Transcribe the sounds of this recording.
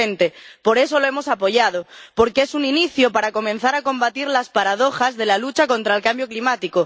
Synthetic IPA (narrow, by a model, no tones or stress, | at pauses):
ent̪e̞po̞ɾe̞so̞loemo̞sapo̞ʝað̞opo̞ɾkeesuniniθjopaɾako̞mẽn̟θaɾako̞mbat̪iɾlaspaɾað̞o̞xazðe̞lalut͡ʃako̞nt̪ɾaelkambjoklimat̪iko